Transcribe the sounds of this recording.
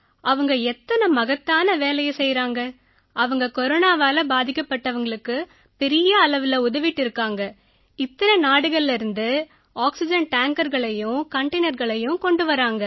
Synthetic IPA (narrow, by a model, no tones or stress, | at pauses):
ʔɐʋɐŋɡɐɛt̪ːɐnɐmɐɣɐt̪ːaːnɐʋeːlɐjɐsɛjɾaːŋɡɐ | ʔɐʋɐŋɡɐkɔɾoːnaːʋaːlɐbaːðɪkːɐpːɐʈːɐʋɐŋɡɐɭɯkːɯ | pɛɾɪjɐːɭɐʋɯlɐʊðɐʋɪʈːɪɾɯkːaːŋɡɐ | ɪt̪ːɐnɐnaːɽɯɣɐɭɪɾɯnd̪ɯ | aːksɪd͡ʒɐnʈaːŋkɐɾɣɐɭɐjʊ̃kɐɳʈɐːnɐɾɣɐɭɐjʊ̃kɔɳɖɯʋɐɾaːŋɡɐ